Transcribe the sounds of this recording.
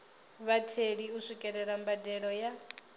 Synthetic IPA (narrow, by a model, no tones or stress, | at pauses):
βatʰeɺiusʷikʼɛɺɛɺambadɛɺɔja